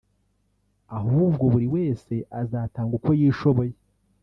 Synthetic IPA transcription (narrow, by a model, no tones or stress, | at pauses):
aɦuːb̚ɡo̞βuɾiwe̞ːse̞ʔazaːtaːŋɡuko̞jiːʃo̞βo̞je